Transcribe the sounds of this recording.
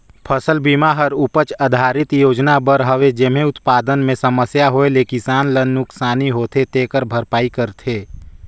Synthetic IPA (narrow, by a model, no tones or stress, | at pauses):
pʰəsəlbiːmaɦəɾʊpət͡ʃad̪ʱaːɾɪt̪joːd͡ʒnabəɾɦəʋed͡ʒem̤ẽʊt̪paːd̪ənmẽsəməsjaɦoelekisaːnlənːʊksaːniɦoːt̪ʰet̪eːkəɾbʱəɾpaːikəɾt̪ʰeː